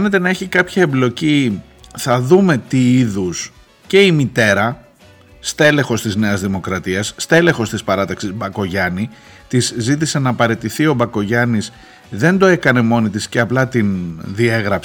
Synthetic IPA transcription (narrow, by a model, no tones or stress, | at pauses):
ene̞t̪e̞nɐeçikɐpçɐemblo̞ci | θɐðume̞t̪iiðus | ce̞imit̪e̞ɾɐ | st̪e̞le̞xo̞st̪izne̞ɐzðimo̞kɾɐt̪iɐsːt̪e̞le̞xo̞st̪ispɐɾɐt̪ɐksizbɐko̞ʝɐni | t̪izːit̪̬ise̞nɐːpɐɾe̞t̪iθio̞bɐko̞ʝɐnis | ðe̞nd̪o̞e̞kɐne̞mo̞nit̪̬isceɐplɐt̪inðie̞ɣɾɐp